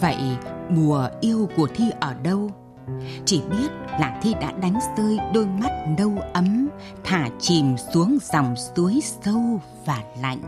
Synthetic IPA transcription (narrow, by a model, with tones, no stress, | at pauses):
və̰˧˨jʔmu˨˩əʔi˧əwku˧˩ət̪ʰi˧ʔəː˧˩ɗə˧w | t͡ɕi˧˩ɓi˦˥ət̚laː˨˩t̪ʰi˧ɗa̰ː˧˥ɗa˨˦jŋ̟zəː˧jɗo˧jma˦˥t̚nə˧wʔə˨˦m | t̪ʰaː˧˩t͡ɕi˨˩msu˨˦əŋza˨˩wŋ͡msu˨˦əjsə˧w | vaː˨˩la̰˧˨jŋ̟